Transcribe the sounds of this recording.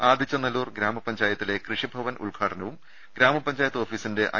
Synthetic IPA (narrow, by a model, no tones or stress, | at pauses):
aːd̪ʱit͡ɕːɐnɐluːrɡɾaːmɐpɐɲd͡ʑaːjɐt̪ːile̞krɨʂibʱɐʋɐnṵɭɡʱaːʈʰɐnɐʋum | ɡɾaːmɐpɐɲd͡ʑaːjɐt̪ːoːfiːsinde̞ʔɐ̰